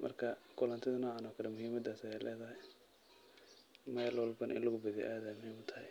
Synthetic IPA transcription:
mʔɐ̰rkʰɐkʰʊlant̪ʰɪðɐnɔːʕanɔkʰɐlɛmʊhiːmɐd̪aːsɛlʔɛːðɐɦɛ | mɛːlwɔlbɐnʔɪ̰nlʊɣʊbɐðḭʔaːðaːmʊhiːmɐt̪ʰːɐhɛj

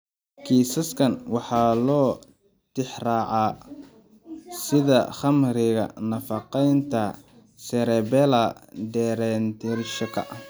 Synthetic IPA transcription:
kʰiːsɐskʰɐnwɑħɑːlɔː | t̪ɪħrɑːʕɑː | sɪðɐ̰χɐmrɪɣɐ̰nɐfɑqɛjnt̪ʰɐ | sɛɾɛbɛlɐɖɛːɾɛnt̪ʰɪɾʃɐkʰɐ̰ʔɐh

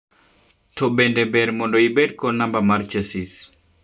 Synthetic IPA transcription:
tʰɔbendebɛɾmɔndoibed̚konambamart͡ʃesis

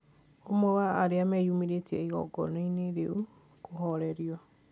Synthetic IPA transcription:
omowaːɾeamɛjumiɾetɛiɣɔ̰ɡɔ̰naineɾeu | koɦɔɾɛɾiɔ

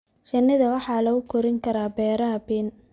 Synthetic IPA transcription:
ʃɐnːɪðɐwɑħɑːlɐɣʊkʰɔɾɪŋkʰɐɾaːbɛːɾɐɦɐbiːn

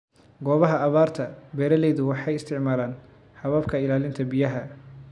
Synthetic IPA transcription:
ɡɔːβɐɦɐɐβaːrt̪ʰɐbɛːɾɐlɛjðʊwɑħɑjɪst̪ʰɪʕmaːlaːn | ħɑβɐbkʰɐɪlaːlɪnt̪ʰɐbɪjɐɦɐ

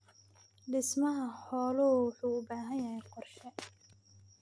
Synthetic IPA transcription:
ɖɪsmɐɦɐħɔːlʊwʊħuːʊbaːɦɐjɐɦɛjqɔrʃɛ

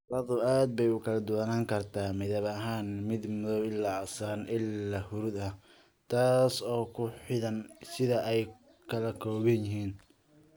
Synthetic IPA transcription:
rɐðʊaːd̪̚bɛjʊkʰɐlɐd̪ʊwanaːŋkʰɐrt̪ʰaːmɪðɐβɐɦaːnmɪd̪mʊðɔwɪlːaɐsaːnʔɪlːɐhʊɾʊd̪ɐ | t̪ʰaːsɔːkʰʊħɪðɐnsɪðɐʔɛj | kʰɐlɐkʰɔːβɛnjɪɦiːn

